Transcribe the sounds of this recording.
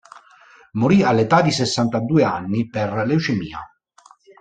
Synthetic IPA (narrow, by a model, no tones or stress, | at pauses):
moɾialːet̪ad̪isesːant̪ad̪uːeanːiperleut͡ʃemḭːa̰